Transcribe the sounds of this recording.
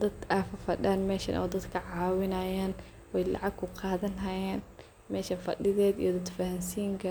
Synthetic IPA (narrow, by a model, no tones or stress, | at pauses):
d̪ɐd̪afɐfɐɗaːnmɛːʃɐ̰nʔɐ̰wd̪ɐd̪kʰɐʕaːwɪnɐjaːn | wɛjla̰ʕab̚kʰʊqʰɑːðɐnɦɐjaːn | mɛːʃɐnfɐ̰ɗɪðɛːd̪ḭjɔd̪ɐd̪fɐhɐmsiːŋkɐ